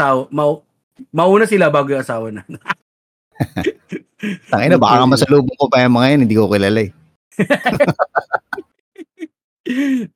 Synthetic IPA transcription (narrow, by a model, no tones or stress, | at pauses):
aːwɐmɐʔu | mɐʔuːnɐsɪlabaːɡojʊŋʔɐsaːwɐnɐn | t̪ɐŋɐɪnobaːkɐkɐmɐsɐloːboŋpobajɐmɐŋɐjonhɪnd̪iːkokɪlaːlaj